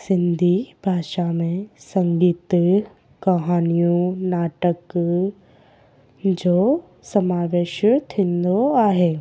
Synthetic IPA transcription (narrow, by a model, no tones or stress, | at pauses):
sɪ̃nd̪ʱibʱaːʃamẽsɐ̃ŋɡiːt̪ | kɐɦaːnijõnaːʈək | d͡ʒoː | sɐmaːʋeːʃt̪ʰɪ̃nd̪oaːɦeː